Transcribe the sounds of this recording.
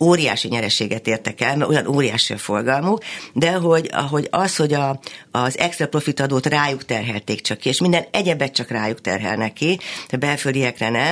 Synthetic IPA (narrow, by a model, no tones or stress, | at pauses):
oːɾija̰ːʃiɲɛɾɛʃeːɡɛt̪eːrt̪ɛkɛlmɛojɒnʔoːɾijaːʃiɒfo̞rɡɒlmukd̪ɛɦo̞ɟɒ̰ɦo̞ɟɒsho̞ɟɒzɛkst̪rɒpro̞fit̪ɒd̪oːt̪raːjukt̪ɛrɦɛlt̪eːkt͡ʃɒkːieːʃmind̪ɛnɛɟɛbɛt̪̚t͡ʃɒkraːjukt̪ɛ̰rɦɛ̰lnɛkːiɛbɛlfølijɛkrɛnɛ